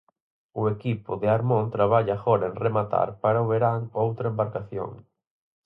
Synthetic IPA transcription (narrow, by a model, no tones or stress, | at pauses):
ʊekipʊðɪaɾmõnt̪ɾaβaʎaxɔɾɐeŋremat̪a̰ɾpaɾaʊβeɾaŋowt̪ɾɐembaɾkaθjo̰ŋ